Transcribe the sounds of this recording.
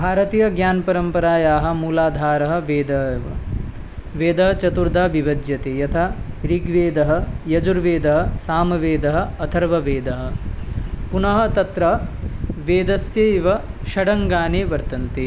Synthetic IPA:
bʱaːɾɐt̪ijɐɡɲaːnɐpɐɾɐmpɐɾaːjaːɦɐ̆muːlaːd̪ʱaːɾɐɦɐ̆ʋeːd̪ɐɦɐʋɐ̰ | ʋeːd̪ɐɦɐt͡ʃɐt̪uɾd̪ʱaːbiʋɐd̪jɐt̪eːjɐt̪ʰaɾiɡʋeːd̪ɐɦɐ̆jɐd͡ʒuɾʋeːd̪ɐɦɐ̆saːmɐʋeːd̪ɐɦɐ̆ɐt̪ʰɐɾʋɐʋeːd̪ɐɦɐ̆ | punɐɦɐ̆t̪ɐt̪ɾɐɦʋeːd̪ɐsjɐiʋɐʃɐɽɐŋɡaːneːʋɐɾt̪ɐnt̪eː

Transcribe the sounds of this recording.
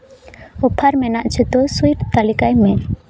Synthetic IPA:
ɔpʰaɾmɛnaʔt͡ʃʰɛt̪ɔsuiʈt̪alikajmɛ

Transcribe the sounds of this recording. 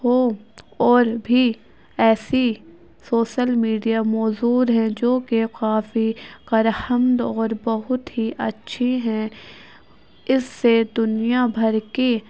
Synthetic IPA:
ho | ɔːɾbʱi | ɛːsi | soːʃəlmiːɖijamɔːzuːɾɦɛ̃d͡ʒoːkekaːfiqɐɾhəmd̪ɔːɾbɐɦʊt̪ɦiʔɐtːʃʰeɦɛ̃ | ɪsːed̪ʊnijabʱɐɾke

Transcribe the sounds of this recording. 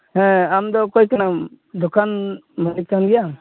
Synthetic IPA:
hɛ̃amd̪ɔkɔjkana | d̪okʰanmanik̚kanɡɛja

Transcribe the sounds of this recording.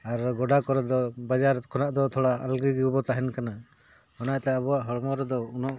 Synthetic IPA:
aɾɡɔɖakɔɾɛd̪ɔbad͡ʒaɾkʰɔnaʔd̪ɔt̪ʰɔɽaa̰lɡiɡiwbɔt̪aɦɛnkana | hɔnat̪ɛabɔwaʔɦɔɽmɔɾɛd̪ɔunɔʔ

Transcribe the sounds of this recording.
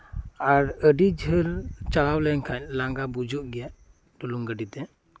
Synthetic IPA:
aɾəɖid͡ʒʱəɾt͡ʃalawlɛɲkʰaɲlaŋɡabud͡ʒuʔɡɛjaʔ | ɖuluŋɡəɖit̪ɛ

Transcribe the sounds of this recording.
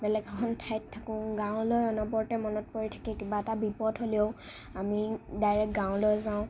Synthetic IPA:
bɛlɛkɔkʰɔntʰajtʰːakɔ̃ɡãʊ̃lojɔnɔbɔɹtɛmɔnɔt̚poɹitʰḁkɛkibaɛtabipɔdɦolio | amidajɹɛk̚ɡãwlojzaʊ̃

